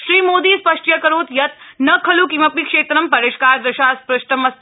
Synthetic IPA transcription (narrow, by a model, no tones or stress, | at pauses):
ʃɾiːmoːd̪iːspɐʂʈjɐkɐɾoːt̪jɐt̪̚nɐkʰɐlukimɐpmikʂeːt̪ɾɐmpɐɾeːʃkaːɾd̪ɐʃaːspɾɐʃʈ̪ɐmɐs